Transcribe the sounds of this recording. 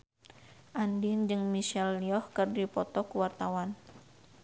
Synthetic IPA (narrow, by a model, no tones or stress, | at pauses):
ʔandind͡ʒɨŋmiʃɛlːiɔhkɨrdipɔt̪ɔkuwart̪awan